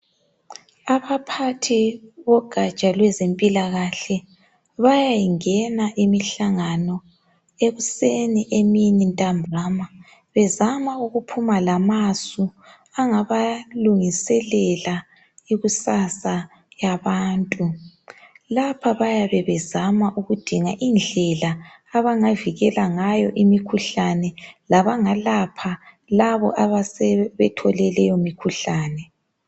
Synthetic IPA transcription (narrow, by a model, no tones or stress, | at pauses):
aβapʰatʰiβɔɡ̥ʱat͡ʃʼalwɛzempʼilaɣaɬɛ | βajajiŋɛnaʔimiɬaŋanɔ | eβuseniʔeminintʼambʱaːma | βɛzamauɣupʰumalamasu | aŋaβaluŋisɛlɛla | iɣusasa | jaβaːntʼu | lapʰaβajaβɛβɛzamaʔuɣud̥ʱiŋaʔind͡ɮʱɛlaː | βaŋaviɣɛlaŋajɔʔimikʰuɬanɛlaβaŋalapʰa | laβɔ̰ʔaβasɛβɛtʰɔlɛlɛjomikʰuɬaːnɛ